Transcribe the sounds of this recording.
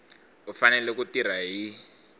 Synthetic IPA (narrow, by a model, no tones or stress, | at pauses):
ufanɛlɛkutir̤aɦi